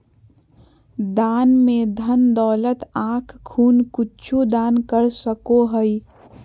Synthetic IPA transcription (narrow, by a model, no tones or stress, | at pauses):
d̪aːnmẽd̪ʱənd̪ɔːlət̪ãːkʰkʰuːnkʊt͡ʃʰud̪aːnkəɾsəkoɦəi